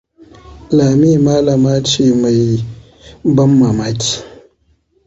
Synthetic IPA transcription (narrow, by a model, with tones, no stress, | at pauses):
laː˨mi˦ma˦la˨maː˦t͡ʃiː˨ma˨j | bɐ˦mːa˨ma˦ti̥˦˨